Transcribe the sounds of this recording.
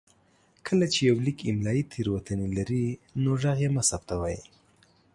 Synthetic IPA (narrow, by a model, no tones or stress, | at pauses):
kʰəlat͡ʃejawlikʰɪmlɑjit̪ʰeɾwat̪anelaɾinoʐaɣjemasab̚t̪awɑji